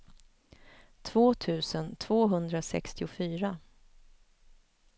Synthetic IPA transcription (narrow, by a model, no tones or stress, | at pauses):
t̪ʰvoːt̪ʰʉ̟ːsənt̪ʰv̥oːɦɵnd̪ɾasɛ̰kst̪ɪʊfyːɾa